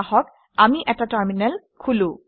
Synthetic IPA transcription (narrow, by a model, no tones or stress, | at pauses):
ɦɔk | amiʔɛtataɹminɛl | kʰulũ